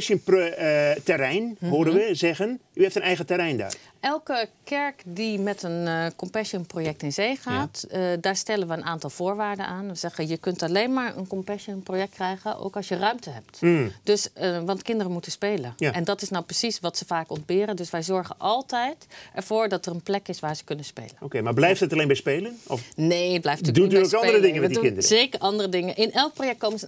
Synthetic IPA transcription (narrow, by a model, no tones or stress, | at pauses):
ʃənp | tɛrɛjnhoədəʋəzɛɣənyɛftənɛjɣətɛɾɛjnda̰ː | ʔɛlˠkəkʰɛɹkdimɛtənkɔmpɛʃənprojɛk̚tɪnzeːχaːtdaːɹstɛlənʋəənʔaːntɑlˠv̥oːɹʋaːɹdə̰nʔaːnʋəz̥ɛɣəjəkɵntaleːnmaːɹə̰nkɔmpɛʃənprojɛk̚t̚krɛjɣənʔo̰wkɑlsjərœɥmtəɦɛp̚td̥ɵsʋɑntkɪndərəmutənspejlənjaɛndɑtɪsnawprəsisʋɑtsəvaːkɔnd̚bɪːɾəndɵsʋɛjzɔɹχənʔɑlˠtɛjtʔɛɹv̥ʊːɹdɑtərənplɛkɪsʋaːɹzəkɵnənspḛjləokejmaːblɛjftətalejnmbɛjspejlənɔfneəd̚blɛjftːdudyokɑndəɾədɪŋənmɛdikɪndəɾəzejkəɹʔɑndərədɪŋənʔɪnʔɛlˠk̚prowjɛk̚t̚kowmənzə